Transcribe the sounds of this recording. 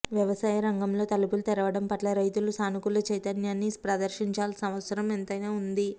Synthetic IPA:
ʋjɐʋɐsaːjɐɾɐŋɡɐmlo̞ːt̪ɐlupulut̪ɛɾɐʋɐɽɐmpɐʈlɐɾɐjt̪ulusaːnukulɐt͡ʃɐjt̪ɐnjaːnːispɾɐd̪ɐɾʃiɲt͡ʃaːlsɐmʋɐt̪sɐɾɐment̪ɐjnaːund̪i

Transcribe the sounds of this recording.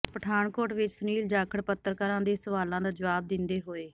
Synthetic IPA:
pəʈʰaːɳkoːʈʋɪt͡ʃsʊniːld͡ʒaːkʰəɽpət̪ːəɾkəɾãːd̪eːsəʋaːlãːd̪aːd͡ʒəʋaːb̚d̪ɪnd̪eːɦoːeː

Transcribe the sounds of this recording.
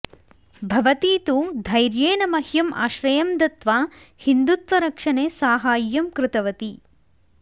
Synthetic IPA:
bʱɐʋɐt̪iːt̪ud̪ʱɐjɾjeːnɐmɐhjɐma̰ːʃɾɐjɐmd̪ɐt̪ʋaː | hind̪ut̪ʋɐɾɐkʂɐneːsaːɦaːjːɐmkɾɪt̪ɐʋɐt̪i

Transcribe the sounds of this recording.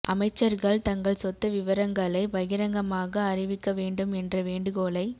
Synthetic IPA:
ʔɐmɐɪt͡ʃːɐɾɣɐɭt̪ɐŋɡɐɭsɔt̪ːɐʋɪʋɐɾɐŋɡɐɭɐɪʋɐɣɪɾɐŋɡɐmaːɣɐːrɪʋɪkːɐʋeːɳɖɯmɛndrɐʋeːɳɖɯkoːlɐɪ

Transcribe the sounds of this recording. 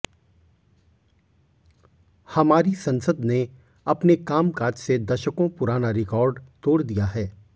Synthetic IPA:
hɐmaːɾisɐ̃nsəd̪ne | ɐpnekaːmkaːd͡ʒsed̪ɐʃəkõpʊɾaːnaɾɪkɔːɾɖt̪oːɽd̪ijaɦɛː

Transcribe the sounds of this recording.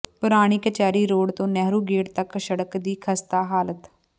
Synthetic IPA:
pʊɾaːɽ̃iːkət͡ʃaːɾiːɾoːɽt̪õːnɛːɾuːɡeːɽt̪əksəɽəkd̪iːkʰəst̪aːɦaːlət̪

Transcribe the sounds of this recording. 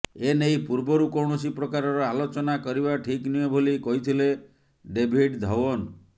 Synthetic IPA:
enejpuɾbɔɾukɔwɳɔsipɾɔkaɾɔɾɔalot͡ʃɔnakɔɾibaʈʰikniebʱolikɔɦit̪ʰile | ɖebʱiɖd̪ʱɔwɔn

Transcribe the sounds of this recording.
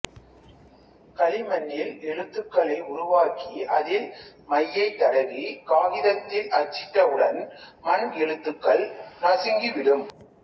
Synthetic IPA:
kɐlɪmɐnːjɪlɛɻɯt̪ːɯkːɐɭɐɪʊɾʊʋaːkiʔɐðɪlmɐjːɐɪt̪ːɐɽɐɣikaːɣɪðɐt̪ːɪlɐt͡ʃːɪʈːɐɯɽɐnmɐɳɡɛɻɯt̪ːɯkːɐɭnɐsɪŋɡiʋɪɽɯm

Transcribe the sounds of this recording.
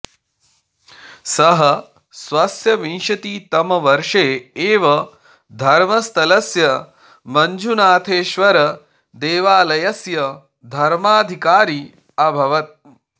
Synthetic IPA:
sɐɦɐ | sʋɐsjɐʋinʃɐt̪iːt̪ɐmɐʋɐɾʂeːeːʋɐ | d̪ʱɐɾmɐst̪ʰɐlɐsjɐ | mɐɲd͡ʒʱunaːt̪ʰeːʃʋɐɾɐ | d̪eːʋaːlɐjɐsjɐ | d̪ʱɐɾmaːd̪ʱikaːɾiː | ɐbʱɐʋɐt̪̚

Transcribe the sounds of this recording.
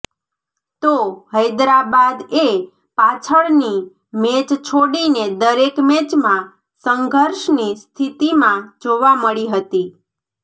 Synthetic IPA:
t̪ohəjd̪ɾabad̪e | pat͡ʃʰəɭni | met͡ʃt͡ʃʰoɽined̪əɾekmet͡ʃmã | səŋɡʱəɾʃnist̪ʰit̪imãd͡ʒoʋaməɭiɦət̪i

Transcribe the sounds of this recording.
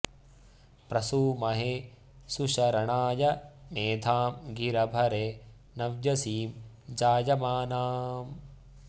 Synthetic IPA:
pɾɐsuːmɐɦe | suʃɐɾɐɳaːjɐmeːd̪ʱaːmɡiɾɐbʱɐɾe | nɐʋjɐsiːm | d͡ʒaːjɐmaːnaːm

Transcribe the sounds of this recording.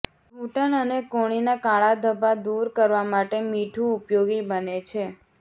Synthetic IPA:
uʈənənekoɽ̃inakaɭad̪ʱəbʱad̪uɾkəɾʋamaʈemiʈʰũupjoɡibənet͡ʃʰe

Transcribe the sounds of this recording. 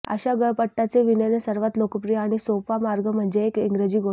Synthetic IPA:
ə̰ɕaɡəɭpəʈːat͡seʋinənesəɾʋat̪lokəpɾijaaɽ̃isopamaɾɡəm̤əɳd͡zeːkiŋɡɾed͡ʑiːɡo

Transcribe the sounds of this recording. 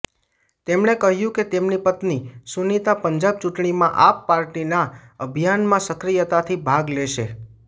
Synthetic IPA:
t̪emɳekəɦjũket̪emnipət̪nisunit̪apəɲd͡ʒab̚t͡ʃuʈɳimãʔapːaɾʈinaəbʱijanmãsəkɾijət̪at̪ʰibʱaɡleʃe

